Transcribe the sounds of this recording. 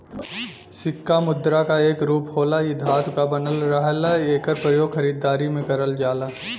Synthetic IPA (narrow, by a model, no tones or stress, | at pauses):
sɪkːamʊd̪ːɾakaeːkɾuːphoːlaɪd̪ʱaːt̪kabɐnəlɾəɦlaeːkəɾpɾəjoːɡxɐɾiːd̪ːaːɾimẽkɐɾəld͡ʒaːlaː